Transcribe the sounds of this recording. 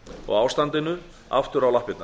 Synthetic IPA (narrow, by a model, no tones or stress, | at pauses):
ɔ̰ɣaːwst̪ant̪ɪnʏ | a̰ft̪ʏɾawlahpɪt̪na